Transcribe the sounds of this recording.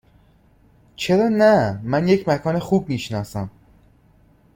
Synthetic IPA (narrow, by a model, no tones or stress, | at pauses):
t͡ʃʰe̞ɾɒːnæmænjecʰmækʰɒːnexuːb̚miːʃnɒːsæm